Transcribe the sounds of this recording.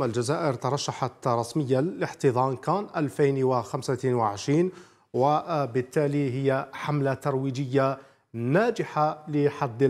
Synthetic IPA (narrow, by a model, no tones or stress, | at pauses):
mæld͡ʒæzæːʔəɾt̪ɑɾˤɑʃːaħat̪ɾˤɑsməjːaləħt̪əd̪ˤɑːnkænʔælfajnwaxamsawaʕɪʃɾiːn | wabət̪ːæːliɦəjːaħamlat̪ɑɾˤwiːd͡ʒəjːa | næːd͡ʒɪħaləħad̪ː